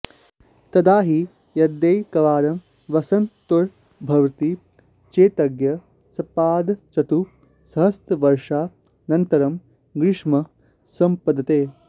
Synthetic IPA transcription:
t̪ɐd̪aːɦi | jɐd̪jɐjkɐʋaːɾɐm | ʋɐsɐnt̪uɾ | bʱɐʋt̪i | t͡ʃeːt̪ɐɡjɐ | sɐpaːd̪t͡ʃɐt̪u | sɐɦɐst̪ɐʋɐɾʂaː | nɐnt̪ɐɾɐm | ɡɾɪʂmɐ | sɐmpɐd̪ɐt̪eː

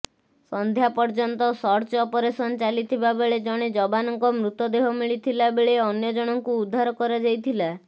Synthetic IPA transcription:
sɔnd̪ʱjapɔɾd͡ʒɔnt̪ɔsɔɾt͡ʃɔːpɔɾesɔnɔt͡ʃalit̪ʰibabeɭed͡ʒɔɽ̃ed͡ʒɔbanɔŋkɔmɾut̪ɔd̪eɦɔmiɭit̪ʰilabeɭeɔnjɔd͡ʒɔɽ̃ɔŋkuud̪ʱːaɾɔkɔɾad͡ʒajt̪ʰila

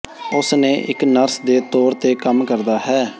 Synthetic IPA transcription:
ʊsnẽːʔɪknəɾsd̪eːt̪oːɾt̪eːkəmkəɾd̪aːɦɛː

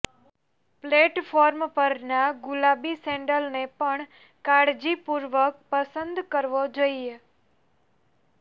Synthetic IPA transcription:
pleʈfʰoɾmpəɾnaɡulabisẽɳɖəlnepəɳ | kaɽd͡ʒipuɾʋək̚pəsənd̪kəɾʋod͡ʒoie

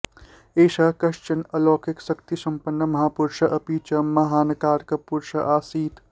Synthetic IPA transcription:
eːʃakɐʃt͡ʃɐnɐloːkʰeksɐkt̪isɐmpənːəmɐɦaːpuɾʃɐʔɐpit͡ʃɐmɐɦaːnkaːɾkɐpuɾʃɐ̰ʔaːsiːt̪

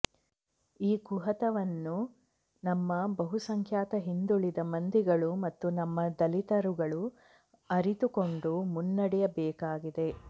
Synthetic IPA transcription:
iːkuɦɐt̪ɐʋɐnːu | nɐmːɐbɐɦusɐŋkʰjaːt̪ɐɦind̪uɭid̪ɐmɐnd̪iɡɐɭumɐt̪ːunɐmːɐd̪ɐlit̪ɐɾuɡɐɭu | ɐɾit̪uko̞ɳɖumunːɐɽɛjɐbɛːkaːɡid̪e̞

